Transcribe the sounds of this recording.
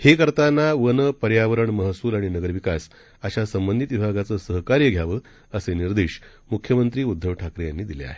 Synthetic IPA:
hekəɾt̪anːaʋənəpəɾjaʋəɾəɳməɦsuːlaɽ̃inəɡəɾʋikas | əɕasəmbənd̪ʱit̪ʋibʱaɡat͡səːsəɦkaɾjəɡʱjaʋəː | əseniɾd̪eɕ | mukʰjəmənt̪ɾiːud̪ʱːəʋʈʰakɾejanːiːd̪ilḛa̰ɦe

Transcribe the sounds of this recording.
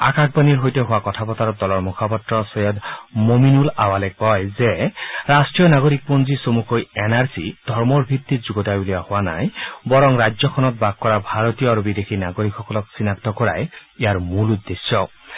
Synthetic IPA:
a̰kak̚baniɹɦojteɦowakɔtʰapɔt̪aɾɔdɔlɔɹmukʰapɔtɹɔsɔjɔd̪mominulawalɛkɔjzeɹasʈɹijɔnaɡoɾik̚ponzisomukojɛnaɹsid̪̥ʱɔɹmɔɹbʱit̪ːitzuɡɔtajbuliahʊana̰jbɔɹɔŋɹajzɔkʰɔnɔt̚bak̚kːɔɹabʱaɹɔt̪ijɔaɾubid̪exʰinaɡoɾikʰːɔkɔlɔk̚sinakt̪ɔkɔɹa̰jejaɹmulud̪ːesjɔ

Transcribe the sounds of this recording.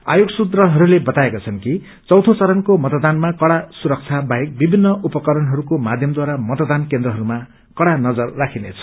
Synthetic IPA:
a̰joɡsud̪ɾʌɦʌɾulebʌt̪aekat͡sʰʌnki | t͡sʌwt̪ʰot͡sʌɾʌnkomʌt̪ɔd̪anmakʌɽasuɾʌk̚t͡sʰabaɦek̚bibʱinːʌʔupʌkʌɾʌnɦʌɾukomad̪ʱjʌmd̪waɾamʌt̪ʌd̪ankend̪ɾʌɦʌɾuma | kʌɽanʌd͡zʌrːakʰinḛt͡sʰʌ̥

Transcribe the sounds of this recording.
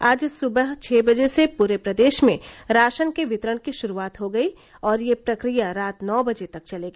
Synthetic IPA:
aːd͡ʒsʊbəɦt͡ʃʰeːbɐd͡ʒesepuːɾepɾɐd̪eːʃmẽɾaːʃənkeʋɪt̪ɾəɽ̃kiʃʊɾuaːt̪ɦoɡɐi | ɔːɾjepɾɐkɾijaɾaːt̪nɔːbɐd͡ʒet̪ɐk̚t͡ʃɐleːɡeː

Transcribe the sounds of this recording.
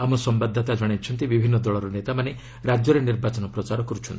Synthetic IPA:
amɔsɔmbad̪ʱːat̪ad͡ʒɔɽ̃et͡ʃʰɔnt̪ibibʱinːɔd̪ɔɭɔɾɔnet̪amane | ɾad͡ʒjɔɾeniɾbat͡ʃɔnɔpɾɔt͡ʃaɾɔkɔɾut͡ʃʰɔnt̪i

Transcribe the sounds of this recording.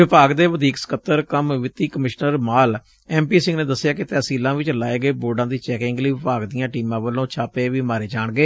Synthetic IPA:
ʋɪpaːɡd̪eːʋəd̪ʱiːksə̥kət̪ːəɾkəmʋɪt̪iːkəmɪʃnəɾmaːl | ɛːmpiːsɪ̃ŋɡnẽːd̪əsːjaːkɪt̪ɛːsiːlãːʋɪt͡ʃlaːeːɡəeːboːɖãːd̪iːt͡ʃɛːkɪŋɡləiːʋɪpaːɡd̪ijãːʈiːmãːʋəlõːt͡ʃʰaːpeːʋiːmaːɾeːd͡ʒaːɳɡeː

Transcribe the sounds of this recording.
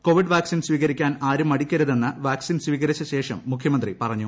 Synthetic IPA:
ko̞ːʋiɖʋaːksinswiːɣɐɾikʲːaːnaːɾumɐɽikʲːɐɾuðe̞nːɨʋaːksinsʋiːɣɐɾit͡ɕːɐɕe̞ːʂɐmːukʰjɐmɐnd̪ripɐrɐɲːu

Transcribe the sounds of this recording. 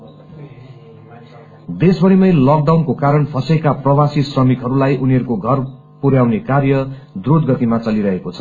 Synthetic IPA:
d̪esbʌɾimʌjlʌk̚ɖawnkokaɾʌnpʰʌsekaprʌwasisrʌmikɦʌɾulajʔuniʌɾukoɡʱʌr | puɾjawnekarjʌd̪rod̪ɡʌt̪imat͡sʌliɾʌɦekot͡sʰʌ

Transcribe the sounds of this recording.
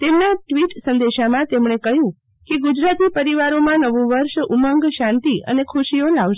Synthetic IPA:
t̪emnaʈʋiʈsə̃nd̪eʃamãt̪emɳekəɦjũ | keɡud͡ʒɾat̪ipəɾiʋaɾomãnəʋũʋəɾʃuməŋɡʃãnt̪iə̰nekʰuʃijolaʋʃ

